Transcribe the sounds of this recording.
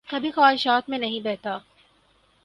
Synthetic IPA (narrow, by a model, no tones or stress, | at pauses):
kɐbʱixaːɦɪʃaːt̪mẽnɐɦĩbɛɦt̪aː